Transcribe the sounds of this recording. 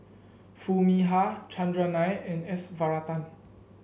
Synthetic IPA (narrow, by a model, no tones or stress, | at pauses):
fumiɦat͡ʃʰãndɹanajɛ̃nɛsvaɹat̪ãn